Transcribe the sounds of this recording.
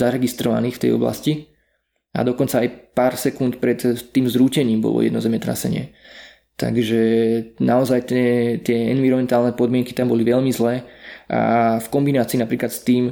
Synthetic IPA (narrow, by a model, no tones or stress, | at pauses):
zaɾɛɡist̪ɾɔʋa̰niːxft̪ɛ̰jɔ̰bla̰sci | a̰d̪ɔkɔnt͡saːjpaːɾsɛkunt̪pɾɛt̪t̪ːiːmzɾuːcɛɲiːmbɔ̰lɔ̰jɛ̰d̪nɔzɛmɛt̪ɾa̰sɛ̰ɲɪɛ̰ | t̪a̰ɡʒɛnʔaɔzajt̪ɛt̪ɪɛɛnʋiɾɔmɛnt̪aːlnɛpɔd̪mɪɛŋki̥t̪ambɔliʋɛʎmizlɛːʔa̰fkɔmbinaːt͡siːnapɾiːklat̪st̪iːm